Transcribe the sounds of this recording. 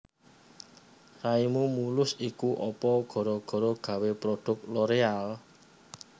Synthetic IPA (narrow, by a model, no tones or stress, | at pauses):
raimumulʊsikuʔɔpɔɡ̥ɔ̤ɾɔɡ̥ɔ̤ɾɔɡ̥ä̤wepɾodɖ̥ʊ̤k̚loɾeal